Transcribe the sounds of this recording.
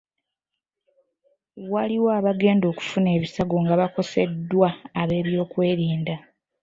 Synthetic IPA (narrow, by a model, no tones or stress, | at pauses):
waliwoaβaɡe̞ːndo̞ːku̥fune̞ːβisaɡo̞ŋɡaβako̞se̞dːwaːβe̞ːβjo̞ːkwe̞ːɾiːnda